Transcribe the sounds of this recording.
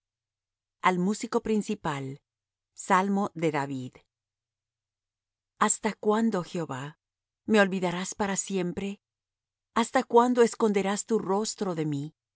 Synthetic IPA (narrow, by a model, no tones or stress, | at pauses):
almusiko̞pɾinsipal | salmo̞ðe̞ðaβið | ast̪akwand̪o̞xeo̞βa | me̞o̞lβiðaɾaspaɾasje̞mpɾe̞ | ast̪akwand̪o̞e̞sko̞nd̪e̞ɾast̪uro̞st̪ɾo̞ðe̞mi